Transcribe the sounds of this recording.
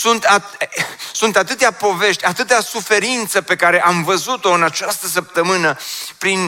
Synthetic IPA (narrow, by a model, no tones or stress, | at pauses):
sunt̪at̪sunt̪at̪ɨt̪eapo̞ve̞ʃt̪ʲat̪ɨt̪easufe̞ɾint̪səpe̞kaɾe̞ʔamvəzut̪o̞ɨnat͡ʃast̪əs̬əp̚t̪əmɨnəpɾin